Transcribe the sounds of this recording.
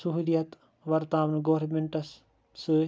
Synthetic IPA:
suɦulijɐt̪ | ʋɐɾt̪aːʋɐnɡoʋɾmeɳʈɐs | sɨ

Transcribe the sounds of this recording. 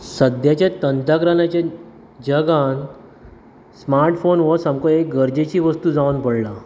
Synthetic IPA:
səd̪jat͡ɕjat̪ənd̪akɾanat͡ɕjã | d͡ʑəɡan | smaɾʈfonʋəsəmkɔek̚ɡəɾd͡ʑet͡ɕiːʋəst̪uːd͡zaʋnpəɽla

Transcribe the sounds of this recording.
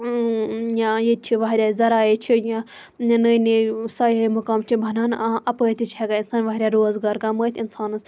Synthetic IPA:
jãjet͡ʃʰiʋɐɦɾʲaːzɐɾaːjet͡ʃʰijã | nəjnisajɦɐmukɐmt͡ʃʰibʱɐnaːnãʔɐpəːt̪it͡ʃʰɛɡainsaːnʋɐɦɾʲjaɾoːzɡaːɾkɐməːjt̪ʰʲinsaːnɨs

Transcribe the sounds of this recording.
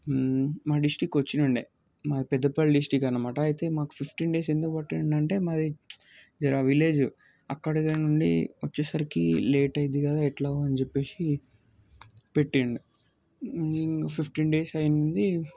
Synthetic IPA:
maːɖisʈiːkot͡ʃːinɐɳɖi | maːd̪ipɛd̪ːɐpɐlɖisʈiːkɐnɐmaːʈɐːjit̪e̞ːmaːku̥pʰipʰʈiːnɖe̞ːse̞nd̪ukbɐʈːinɐɳɖɐɳʈe̞ːmaːd̪id͡ʒɐɾaʋile̞ːd͡ʒu | ɐkːɐɽɐɡanuɳɖḭʋɐt͡ʃːeːsɐɾikḭleːʈɐjd̪ikɐd̪aːɛʈlɐɐnit͡ʃepːe̞ːsi | peʈːiɳɖi | iŋkapʰipʰʈiːnɖe̞ːsɐjnnd̪i

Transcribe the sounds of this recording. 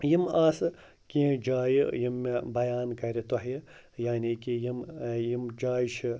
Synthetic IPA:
jimaːsɨ | kid͡ʒaːjijimːebɐjaːnkɐɾʲit̪oɦji | jaːnikijimjimd͡ʒaːiʃi

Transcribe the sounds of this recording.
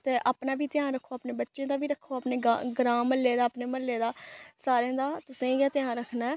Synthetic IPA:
t̪eːʔaːpnaːbʱiːt̪ɪjãːɾəkʰːoːaːpneːbətːʃẽːd̪aːbiːɾəkʰːoːaːpneːɡaɡɾãːməlːeːd̪aːpneːməlːeːd̪aːsaːɾeãːd̪aːt̪ʊsẽːɡjaːt̪ɪjãːɾəkʰnaː

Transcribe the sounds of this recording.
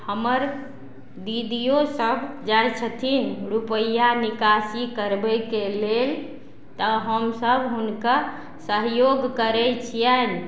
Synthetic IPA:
həməɾ | d̪id̪ijosəbʱd͡ʒajt͡ʃʰət̪ʰinɾupəjanikasikəɾbɛjkelel | t̪əɦəmsəbʱɦunkə | səɦjoɡkəɾɛt͡ʃʰijən

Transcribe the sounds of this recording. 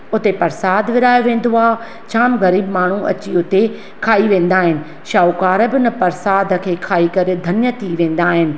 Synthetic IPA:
ʊt̪epɐɾsaːd̪ʱʋɪɾaːjoʋẽːn̆d̪oaːɦ | t͡ɕʰaːmɣɐɾiːbmaːɳ̤uʔɐ̰t͡ɕiʊt̪e | kʰaːiʋẽːn̆d̪aːɦɪnɪ̆ | ʃaːukaːɾbɪnɐpɐɾsaːd̪ʱə̆kʰeːkʰaːikɐɾĕd̪ʱɐnjət̪ʰiʋẽːn̆d̪aːɦɪnɪ̆

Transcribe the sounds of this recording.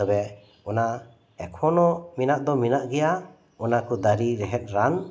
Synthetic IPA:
ɔbɛ | ɔna | ɛkʰɔnɔminaʔd̪ɔminaʔɡɛja | ɔnakʰud̪aɾiɾɛɦɛt̪̚ˀɾan

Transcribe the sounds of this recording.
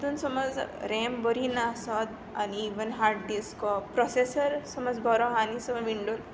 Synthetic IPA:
t̪unsɔmɔd͡zɾɛmbɔɾinasɔd̪ | a̰niːʋənɦaɾʈ̚d̪iskɔpɾɔsesəɾsɔmɔd͡zbʱɔɾɔɦanisɔmɔʋiɳɖol

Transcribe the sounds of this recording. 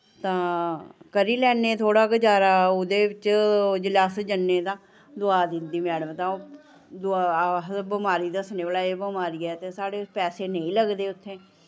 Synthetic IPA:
t̪ãːkəɾiːlɛːneːt̪ʰoːɽaːɡəd͡ʒaːɾaːʊd̪eːʋɪt͡ʃd͡ʒɪlaːsd͡ʒənːeːt̪ãː | d̪ʊaːd̪ɪnd̪iːmɛːɽəmt̪ãː | d̪ʊaɦbəmaːɾiːd̪asneːbəlaːeːbəmaːɾiːɛːt̪eːsaːɽeːpɛːseːnəĩːləɡd̪eːʊt̪ʰːẽː

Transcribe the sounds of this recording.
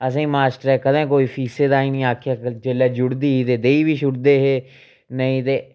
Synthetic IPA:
əsĩːmaːsʈəɾɛːkəd̪ẽːkoːiːpʰiːseːd̪aːiːnĩːaːkʰːjaːd͡ʒelaːd͡ʒʊɽd̪iːɦiːt̪eːd̪eːiːbiːʃʊʈd̪eːɦeː | nəĩːt̪eː

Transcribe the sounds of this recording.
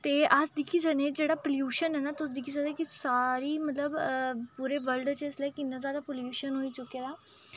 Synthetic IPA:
t̪eːʔəsd̪ɪkʰiːsəɡneːd͡ʒeːɽaːpəljuːʃənɦɛːnaːt̪ʊs̬d̪ɪkʰiːsəɡd̪ẽːkɪsaːɾiːmət̪ləbpuːɾeːʋəlɖt͡ʃəɪsleːkɪnːãzaːd̪aːpoljuːʃənɦoːiːt͡ʃʊkːeːd̪aː

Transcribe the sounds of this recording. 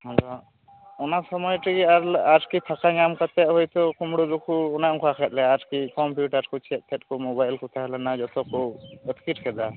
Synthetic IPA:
mɔd͡ʒɔ | ɔnasɔmɔjʈiɡiaɾaʈkip̪ʰakaɲamkat̪ɛʔ̚ɦɔjt̪ɔkumɽɔd͡ʒɔkʰuːnaʔɔŋkɔakʰɛt̪̚ˀlɛaʈkikɔmpjuʈaɾkɔt͡ʃʰɛt̪̚p̪ʰɛt̪̚kɔmɔbajlkʰut̪ʰaɦɛlanad͡ʒɔt̪ʰɔkuət̪kitkʰɛd̪a

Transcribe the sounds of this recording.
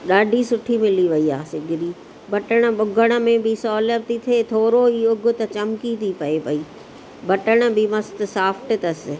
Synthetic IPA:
ɗaːɖʱisʊʈʰimɪliʋɐiaːsɪɡʱɪɾiː | bʱɐʈəɽ̃ə̆ɓʊɡʱəɽ̃ə̆mẽbɪsɔːləbt̪it̪ʰeːt̪ʰoːɾoiːʊɡʱʊ̆t̪ɐt͡ɕɐmkit̪ʰipɐepɐiː | bʱɐʈəɽ̃ə̆bɪmɐst̪ɪ̆saːfʰʈɪ̆t̪ɐsɪ̆

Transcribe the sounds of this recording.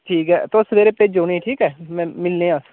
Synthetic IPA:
ʈʰiːkɦɛ̰ːt̪oʊsmeːɾeːpeːd͡ʒoːnĩːʈʰiːkɛːmɛ̃ːmɪlneːãs

